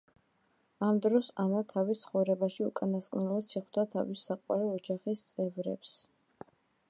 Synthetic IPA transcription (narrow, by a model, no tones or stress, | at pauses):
amd̪ɾɔsanat̪ʰavist̪sʰχɔvɾɛbaʃiṵkʼanaskʼnɛlˠad̪̥ʃɛχwd̪at̪ʰa̰visːaqʼwa̰ɾɛɔd͡ʒaχist̪sʼɛvɾɛ̰ps